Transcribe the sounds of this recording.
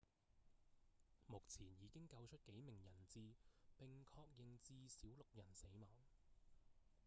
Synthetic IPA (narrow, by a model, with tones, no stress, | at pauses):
mʊ˨k̚t͡sʰiː˨˩njiː˨˧kɪ˥ŋkɐ˧wt͡ʃʰɵ˥t̚ke˨˥jmɪ˨˩ŋjɐ˨˩nt͡siː˧pɪ˨ŋkʰɔː˧k̚jɪ˨˧ŋt͡siː˧siː˨˥wlʊ˨k̚jɐ˨˩nse˨˥jmɐː˨˥ŋ